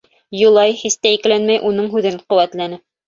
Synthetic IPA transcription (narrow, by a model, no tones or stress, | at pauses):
jŭlˠɑjhist̪æiklænmæjʔunɤɴɦʉðɘɴquwæt̪lænɘ